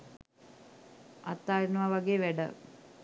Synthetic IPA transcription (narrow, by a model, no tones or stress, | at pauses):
ɐ̰t̪ːaːɾinuʋaʋɐɡeʋɛɖə̰